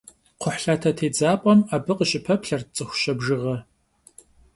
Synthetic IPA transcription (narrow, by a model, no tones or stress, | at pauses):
qʷʊħɬatʰɐtʰeːd͡zaːpʼɐmaːbɨqʼəɕʼɪpʰɐpɬɐrt͡sʼɨxʷʊ̥ɕɐbʒɨʁɐ